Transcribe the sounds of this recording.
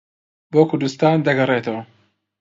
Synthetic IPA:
boːkʰʊɾd̪ɨst̪aːnd̪ɐɡɐret̪ɐwɐ

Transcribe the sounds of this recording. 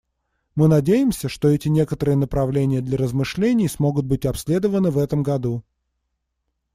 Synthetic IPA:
mɨnɐdʲejɪmsʲəʂt̪o̞ɛtʲɪnʲe̞kət̪əɾɨjənəpɾɐvlʲenʲɪjəd̪lʲɐɾəzmɨʂlʲenʲɪjsmo̞ɡʊt̪̚bɨtʲɐpsʲlʲe̞d̪əvənɨvɛt̪əmɡɐd̪u

